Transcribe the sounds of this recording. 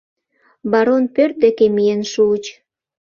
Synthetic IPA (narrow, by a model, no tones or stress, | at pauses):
bɑɾonpørt̪̚d̪ekemijenʃut͡ɕ